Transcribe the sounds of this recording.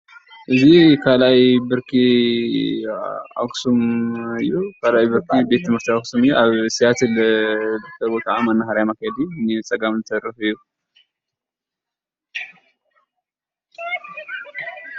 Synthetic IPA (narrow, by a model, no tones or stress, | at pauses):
ʔɨzikʰalajbɨɾkʰi | a̰ksumɨjːukʰalajbɨɾkʰibe̞t̪ːɨmhɨɾt̪ʰiaksumɨjːuʔaβsijat̪ɨlbɨkʰɐbot̪ʼaʕamɐnːahaɾajmakʰːajɛd̪init͡sʼɐɡamɨnt̪ʰɐrːɨfɨjːu